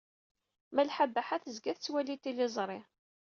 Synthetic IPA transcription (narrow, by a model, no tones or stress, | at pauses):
mælħabːaħaθəzɡæθt͡sːwælit̪ilɪzˤɾˤɪ